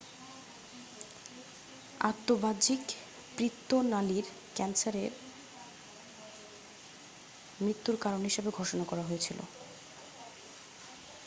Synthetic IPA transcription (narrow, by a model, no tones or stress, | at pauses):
a̰t̪ːobad͡ʑik | pɾit̪ːonaliɾ | kɛnsaɾeɾ | mɾit̪ːuɾkaɾonɦiʃebeɡʱoʃonakɔɾaɦojet͡ɕʰilo̰